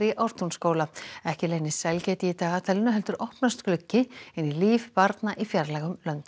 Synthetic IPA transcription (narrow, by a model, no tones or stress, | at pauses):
ɾiʔɔɾt̪unskoːwlaɛhcɪlejnːɪsɛlcɛːjt̪ɪit̪aːɣat̪ʰɛlɪnʏɦɛlt̪ʏɾɔhpnast̪klʏcːɪɛnːiliːvpaɾt̪naʔifjaɾlɛːɣʏmlœnt̪